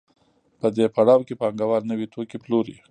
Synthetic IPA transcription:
pəd̪epaɽɑwkepɑŋɡawɑɾnəwit̪okiploɾḭ

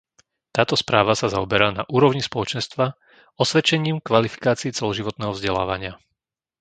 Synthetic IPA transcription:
t̪aːt̪ɔspɾaːʋasazaɔbɛɾaːna̰ʔuːɾɔʊɲispɔlɔt͡ʃɛnst̪ʋa | ɔsʋɛt͡ʃɛɲiːmkʋalifi̥kaːt͡siːt͡sɛlɔʒiʋɔt̪nɛːɦɔvzɟɛla̰ːʋaɲɪa

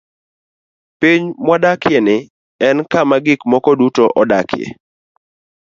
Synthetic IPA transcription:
piɲmwadakjenɪ | ɛnkamaɡɪkmɔkɔdutoʔɔdakʰjḛ

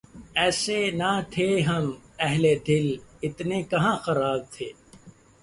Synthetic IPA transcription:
ɛːsenat̪ʰeːɦɐmɛɦled̪ɪlɪt̪nekɐɦãːxɐɾaːb̚t̪ʰeː

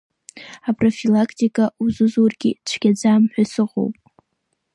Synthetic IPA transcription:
apʼrofilakʰtikʼauzuzurɡʲit͡ʃʷʰɡ̥ʲad͡zaːmħʷᶣasɨʁo̰wpʼ

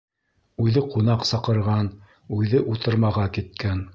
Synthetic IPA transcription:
ʉðɘqunɑqsɑqɤ̆ɾʁɑn | ʉðɘʔut̪ɤ̆ɾmɑʁɑkit̪̚kæn

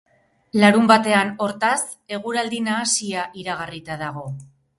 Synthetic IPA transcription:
laɾumbat̪e̞ano̞ɾt̪as | e̞ɣ̞uɾald̪inaːsiaʔiɾaɣ̞arit̪aðaɣ̞o̞

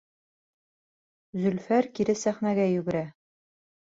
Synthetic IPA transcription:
zɵ̆lfæɾkiɾɘsæχnæɡæjʉɡɘ̆ɾæ

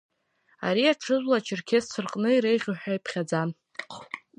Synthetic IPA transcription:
a̰ɾiaʈ͡ʂʰɨzʷlat͡ʃʰɪrkʲʰest͡sʷʰɨrqʼnɨiɾejʁʲʊħᶣajpʰχʲad͡zan

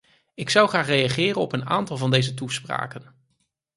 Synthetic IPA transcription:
ɪksʌwχaːχrejɑχɪːrənɔpəna̰ːntɑlˠvɑndejzətuspra̰ːkən

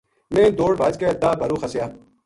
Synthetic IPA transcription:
mẽːd̪oːɽbaːd͡ʒkeːɐd̪aːbɐɾuːxəsjaː

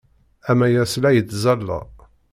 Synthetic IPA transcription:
æmæjæslæjəd̪zælːæ̰

